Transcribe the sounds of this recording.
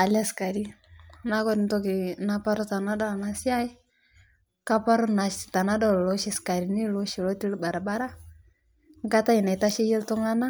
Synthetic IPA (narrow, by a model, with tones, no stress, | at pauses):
a˨la˦ska˨ɾi˦na˦kɔ˦tntɔ˦ki˨napa˦ɾɔ˦ta˨na˦da˦˨na˦si˦a˦i˦ | ka˦pa˦ɾɔ˦na˨ʃta˨na˦dɔ˦˨lɔ˦ʃi˦ska˨ɾi˨ni˦lo˦ʃi˨lɔ˦ti˦lba˨ɾa˨baɾa˦ | ŋ˦kata˦i˨na˨ita˦ʃi˦je˦ltu˦ŋa˦na˦